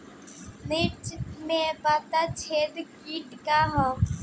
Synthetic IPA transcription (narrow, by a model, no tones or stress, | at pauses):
net͡ʃmẽpaːt̪at͡ʃʰeːd̪kiːʈkaɦã